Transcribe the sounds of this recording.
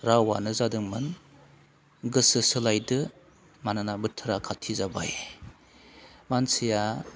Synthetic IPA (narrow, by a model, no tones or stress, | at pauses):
ɾawa̰nɯzadɯŋmɯn | ɡɯsɯsɯlajdɯ | mananabɯtʰɯɾakʰatʰːizaba̰j | mansija